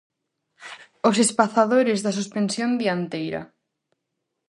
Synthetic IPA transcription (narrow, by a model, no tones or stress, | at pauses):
osespaθaðoɾɪzðas̬uspensjõnd̪iant̪ejɾɐ̰